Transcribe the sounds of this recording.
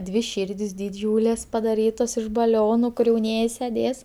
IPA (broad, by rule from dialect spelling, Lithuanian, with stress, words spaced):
dʲʋʲɪ ˈʃʲiːrʲdʲɪs dʲɪˈd͡ʒʲuːlʲeːs pɐdɐˈrʲiːtoːs ɪʃ bɐˈlʲoːnʊ kʊr jɛʊˈnʲiɛjɪ sʲɛˈdʲeːs